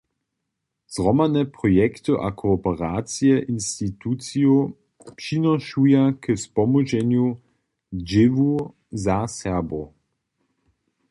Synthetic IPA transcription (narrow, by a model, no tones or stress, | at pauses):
z̥ʁɔmanɛpʁɔjɛkt̪ɨʔakʰɔːpɛʁaːt͡sjɛʔinstitut͡sio | pʃinaʃujakəspɔmuʒɛnju | d͡ʒɪvu | zasɛɐbo